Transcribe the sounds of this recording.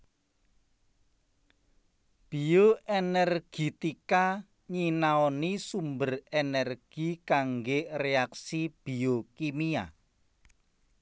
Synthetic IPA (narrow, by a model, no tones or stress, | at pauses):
b̥ioenɛrɡ̥it̪ika | ɲinaɔnisumbərenɛrɡ̥ikaŋɡeʔreaksib̥iokimia̰